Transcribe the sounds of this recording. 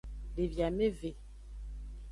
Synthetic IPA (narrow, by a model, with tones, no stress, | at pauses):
le˨vja˨me˦ve˨